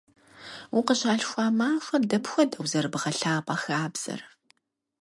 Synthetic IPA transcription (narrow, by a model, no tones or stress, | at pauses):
wʊqəʑaːɬxʷaːmaːxʷɐdɐpxʷɔdɐwzɐrɨbʁɐɬaːpʼɑxaːbz̥ɐ̰r